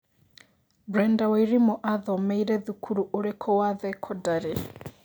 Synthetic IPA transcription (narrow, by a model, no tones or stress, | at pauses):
bɾɛndaweiɾimɔʔaðɔmɛiɾɛðukʰuɾuʔoɾekʰɔwaðɛkʰɔdaɾe